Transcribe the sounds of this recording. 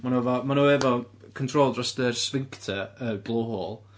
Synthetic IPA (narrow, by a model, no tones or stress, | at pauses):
manovɔmanoɛvɔ | kʰɔntʰroːlˠdrɔsdərsvɪŋktʰəəblˠohoːlˠ